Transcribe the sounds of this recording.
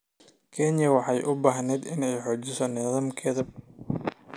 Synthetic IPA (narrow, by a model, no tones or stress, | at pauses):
kʰɛnjɐwɑħɑjʔʊbaːɦnɛːd̪ɪnɛjħɔːt͡ʃɪsɔnɛðaːmkʰɛːðɐ